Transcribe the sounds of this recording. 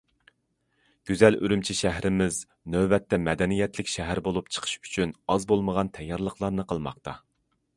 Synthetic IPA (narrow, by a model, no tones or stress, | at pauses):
ɡ̥ʲyzɛly̰ɾymt͡ʃʰiʃæɦɾɪmɪz | nøbɛt̪ːɛmɛd̪ɛnijɛt̪lɪkʲʃɛɦæɾbolˠupt͡ʃʰə̥qʰə̥ʃy̥t͡ʃʰynɑzbolˠməʁɑnt̪ʰɛjːɑɾlˠəqlˠɑɾnɨqʰəlˠmɑ̰qt̪ʰɑ